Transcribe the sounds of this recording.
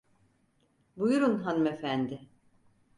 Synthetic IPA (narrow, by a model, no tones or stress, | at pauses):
bujuɾunɦanumefænd̪ɪ